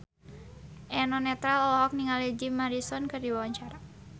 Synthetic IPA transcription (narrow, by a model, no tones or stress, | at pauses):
ʔɛnɔnɛt̪ɾalɔlɔɦɔk̚niŋalid͡ʒimaɾisɔnkɨrdiwawaɲt͡ʃaɾa